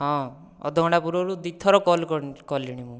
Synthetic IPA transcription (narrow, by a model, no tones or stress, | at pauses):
ɦɔ̃ | ɔ̰d̪ʱɔɔɽ̃apuɾɔɾud̪it̪ʰːɔɾɔkɔlkɔkɔlːiɽ̃imũ